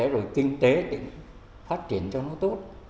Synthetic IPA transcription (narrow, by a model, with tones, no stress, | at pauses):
e˧˦zo˨˩jkï˧ŋ̟t̪e˨˦ɗḭ˧˥ŋ | faː˦˥t̚t͡ɕi˧˩ənt͡ɕɔ˧nɔ˨˦t̪o˦˥t̚